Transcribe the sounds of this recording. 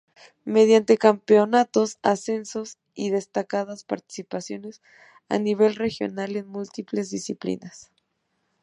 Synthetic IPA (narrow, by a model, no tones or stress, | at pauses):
me̞ð̞jant̪e̞kampeo̞nat̪o̞sase̞nso̞s | iðe̞st̪akaðaspa̰ɾt̪i̥sipasjo̞ne̞s | a̰niβ̞e̞lre̞xjo̞̰nale̞nmult̪iple̞zðisiplḭnas